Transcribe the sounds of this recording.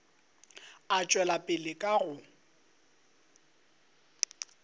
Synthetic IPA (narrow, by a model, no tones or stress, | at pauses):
at͡ʃʼwɛlapʼɪlɪkʼaɣʊ